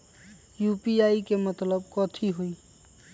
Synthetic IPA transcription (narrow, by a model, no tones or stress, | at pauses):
jupiaikemət̪ləbkɔt̪ʰiɦoi